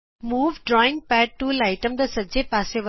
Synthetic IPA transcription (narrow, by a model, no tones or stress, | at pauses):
muːʋɖɾɔːɪ̃ŋpæːɖ̚ʈːuːlaɪʈə̃md̪ɐsɐd͡ʒepaːseʋɐ